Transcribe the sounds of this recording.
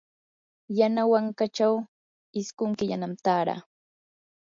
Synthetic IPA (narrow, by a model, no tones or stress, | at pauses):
janawaŋkat͡ʃaw | ɪskʊŋkɪʎa̰namt̪aːɾa̰ː